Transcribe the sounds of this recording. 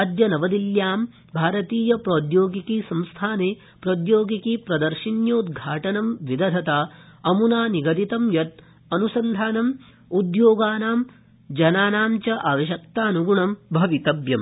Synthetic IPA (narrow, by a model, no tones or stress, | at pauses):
d̪jɐnɐʋɐd̪iljaːm | bʱaːɾɐt̪iːjɐpɾoːd̪joːɡikisɐ̃mst̪ʰaːneː | pɾoːd̪joːɡikipɾɐd̪ɐɾʃinjɐud̪ɡʱaːʈɐnɐmʋid̪ɐd̪ʱɐt̪aːɐmunaːniɡɐd̪it̪ɐmjɐt̪̚ | ɐnusɐnd̪ʱaːnɐm | ud̪joːɡaːnaːm | d͡ʒɐnaːnaːmt͡ʃɐʔaːʋɐʃ̬ɐkt̪aːɐnuɡuɳɐmbʱɐʋit̪ɐbjɐm